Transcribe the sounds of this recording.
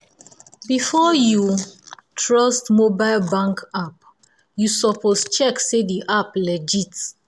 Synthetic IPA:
bifɔju | tʰɹɔstmobaɪlbãŋkap̚ | jusɔpʰost͡ʃɛksediʔaplɛd͡ʒit

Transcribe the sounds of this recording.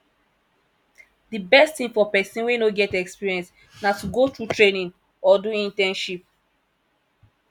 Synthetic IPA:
dibɛstĩŋfɔpɛsĩnwenoɡɛtɛkspiɹiɛ̃nst | natuɡotɹutɹenĩn | ɔduĩntɛ̃nʃip̚

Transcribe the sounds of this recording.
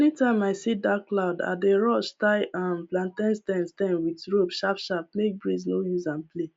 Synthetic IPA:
nitãɪmaɪsidakːlaʊda̰deɹɔʃtaɪʔãnplãntãnstɛ̃nstɛ̃nwitɹobʃapʃap̚mek̚bɹiznojuzãnple

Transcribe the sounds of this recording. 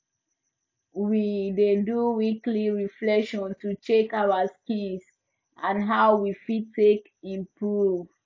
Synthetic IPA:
wideduwikliɹiflɛkʃɔ̃ntut͡ʃekaʊaskĩns | ʔãnɦaʊwifitːek | ĩnpɹu

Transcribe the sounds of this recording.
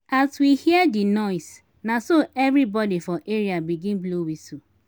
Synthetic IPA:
aswihiədinɔɪs | nasoʔɛvɾibɔdifɔʔeɾiabiɡĩnbluwisu

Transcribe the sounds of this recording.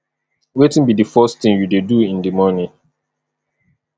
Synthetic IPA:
wetɪ̃nbidəfɜstθĩŋjudeduɪ̃ndəmɔnĩ

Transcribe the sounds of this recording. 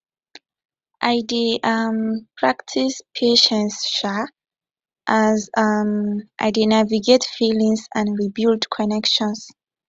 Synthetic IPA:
ʔajdiʔampʰɹaktʰispʰeʃɛ̃nsʃa | ʔazmʔa̰jdinaviɡetfilĩŋsãnɹibildkʰɔnɛkʃɔ̃ns

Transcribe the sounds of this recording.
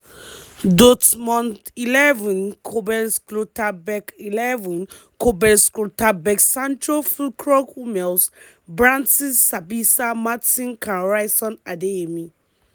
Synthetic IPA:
dotmɔ̃ntilɛvũnkʰobɛnsklotabɛkilɛvũn | kobɛskotabɛksãntɹofulkɹɔkumɛls | bɹãntisːabisamatĩnkãɹajsɔ̃nadeemĩ

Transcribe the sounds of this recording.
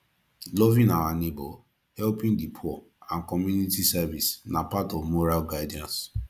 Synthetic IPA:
lɔvĩnawanebɔ | hɛlpĩndipʰɔ | ãnkɔmjunitisɛvisnapatɔvmoɹalɡaɪdiãns

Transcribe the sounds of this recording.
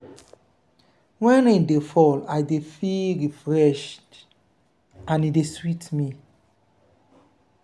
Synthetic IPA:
wɛ̃nadefɔlajdefilɾifɹɛʃt | ãnideswitmi

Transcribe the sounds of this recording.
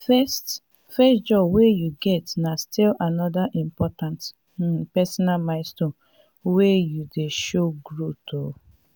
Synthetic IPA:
fɛst | fɛstd͡ʒɔbwejuɡɛtnastilanɔdaʔĩmpɔtãnt | pɛsɔnalmãɪ̃stõ | wejudeʃoɡɹotʰo

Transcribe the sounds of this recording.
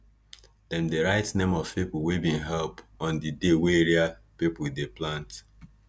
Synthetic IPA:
d̥ɛ̃mdeɹaɪtnẽmɔv̥pip̩webĩnɦɛlpɔ̃ndideweeɹiapipl̩deplãnt

